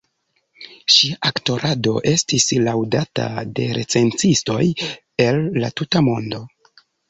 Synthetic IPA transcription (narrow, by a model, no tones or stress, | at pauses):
ʃiaʔakto̞ɾado̞̰ʔe̞stislawdata̰de̞ɾe̞t͡se̞nt͡sisto̞j | e̞lːa̰tutamo̞ndo̞